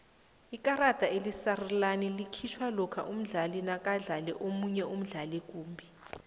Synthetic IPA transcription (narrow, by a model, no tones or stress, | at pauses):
ikʼarad̥ʱaelisarilanilikʰit͡ʃʰwalɔkʰa̰ʔum̩ɮalinak̬ʼaɮalɛʔomuɲɛum̩ɮalik̬ʼuːmbʱi